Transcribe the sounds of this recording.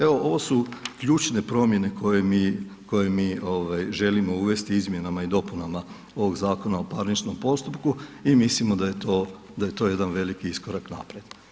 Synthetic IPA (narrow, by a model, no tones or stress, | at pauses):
e̞ʋoʔo̞ʋo̞sukʎuːt͡ʃne̞pɾo̞mje̞ne̞kʰo̞je̞miːko̞je̞miːoʋajʒe̞limo̞uʋe̞st̪iizmje̞namaid̪o̞punama | o̞ʋo̞ɡzaːko̞nao̞paɾnit͡ʃno̞mpo̞st̪upkuimislimod̪aje̞t̪oː | d̪aje̞t̪o̞je̞d̪anʋe̞likiisko̞ɾakna̰pɾed̪̥